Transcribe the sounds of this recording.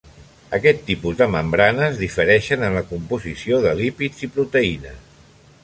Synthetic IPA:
əkɛt̪ːipuzðəməmbɾanəzðifəɾɛʃənənləkumpuzisioðəlipid͡zipɾut̪əinəs

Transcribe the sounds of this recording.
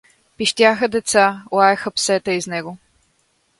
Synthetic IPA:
piʃt̪ʲjaxəd̪ɛt̪salˠaɛxəpsɛt̪əiznɛɡo

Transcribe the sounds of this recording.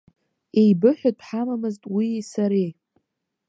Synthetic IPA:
ejbɨħʷᶣaħamamɨztʼwisaɾej

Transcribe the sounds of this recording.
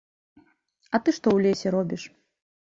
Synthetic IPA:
ɐt̪ɨʂt̪ɔwlʲesʲɛɾɔbʲiʂ

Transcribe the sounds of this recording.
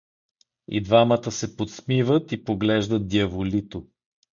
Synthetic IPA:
ḭd̪vamət̪əsɛpot̪smivət̪ipoɡlɛʒd̪ət̪̚d̪iɐvolit̪o

